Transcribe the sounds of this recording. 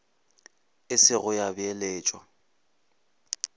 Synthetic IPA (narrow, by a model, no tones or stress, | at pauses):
ɪsɪɣʊjabɪeleːt͡ʃʼwa̰